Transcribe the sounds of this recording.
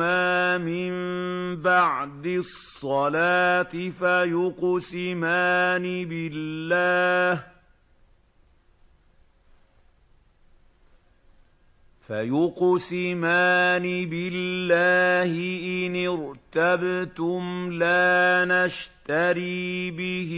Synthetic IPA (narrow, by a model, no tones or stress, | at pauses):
aːmɪmbaʕd̪ɪsˤːɑlaːt̪ɪfajʊqsɪmaːnibɪlːaːh | fajʊqsɪmaːnibɪlːaːhɪʔɪnɪɾt̪abt̪ʊmlaːnaʃt̪aɾiːbɪh